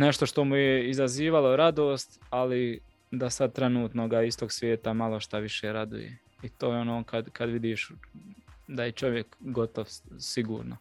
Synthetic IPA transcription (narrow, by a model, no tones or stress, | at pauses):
ne̞ʃt̪o̞ʃt̪o̞mujeizaziːʋalo̞ɾad̪oːst̪ali | d̪asad̪̚t̪ɾenuːt̪noɡaist̪oːɡsʋje̞ːt̪amalˠo̞ʃt̪aʋiʃeːɾad̪ṵjḛ | it̪oːjeonoːkad̪kʰad̪ʋid̪iːʃ | d̪ajet͡ʃo̞ʋjekɡo̞t̪oʋsiɡuːɾno̰